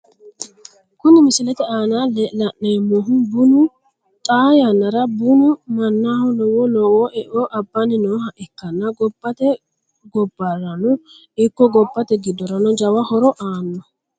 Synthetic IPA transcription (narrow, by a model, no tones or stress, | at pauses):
kʊnːɪmɪsɪlɛt̪ɛaːnaːlɛlɐʔnemɔɦʊbʊnʊ | t̪ʼaːjɐnːɐɾɐbʊnʊmɐnːaːhɔnɔwɔlɔwɔʔɛʔɔʔɐbːɐnɪnoːhɐʔɪkːɐnːɐɡɔbːɐt̪ɛ | ɡɔbːɐɾɐnɔ | ɪkːɔɡɔbːɐt̪ɛɡɪd̪ɔɾɐnɔd͡ʒɐwɐhɔɾɔʔaːnːɔ